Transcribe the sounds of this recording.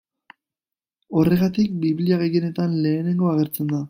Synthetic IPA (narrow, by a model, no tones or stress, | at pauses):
o̞re̞ɣ̞at̪ik̚biβliaɣe̞jene̞t̪anle̞ːne̞ŋɡo̞aɣe̞ɾt͡se̞nd̪a